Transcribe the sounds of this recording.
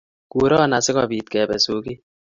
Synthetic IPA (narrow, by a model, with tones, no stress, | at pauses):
ku˨˦ɾɔ˦˨na˨sɪ˦kɔ˦bi˨t̚kɛ˨bɛ˨so˨ki˦